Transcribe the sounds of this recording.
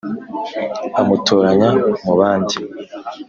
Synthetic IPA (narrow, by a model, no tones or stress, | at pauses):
amutʰoːɾaɲamuβaːndi